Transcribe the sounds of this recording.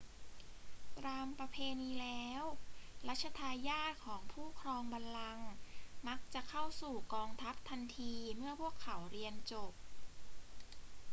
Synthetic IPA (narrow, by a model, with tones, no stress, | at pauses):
t̪ɾaː˧mpɾa˧pʰeː˧niː˧lɛː˦˥wɾa˦˥t̪̚t͡ɕʰa˧t̪ʰaː˧jaː˥˩t̪̚kʰɔː˩˦ŋpʰuː˥˩kʰɾɔː˧ŋba˧nla˧ŋma˦˥k̚t͡ɕa˨˩kʰa˥˩wsuː˨˩kɔː˧ŋt̪ʰa˦˥p̚t̪ʰa˧nt̪ʰiː˧mɯ˥˩əpʰu˥˩əkʰːa˩˦wɾi˧ənt͡ɕo˨˩p̚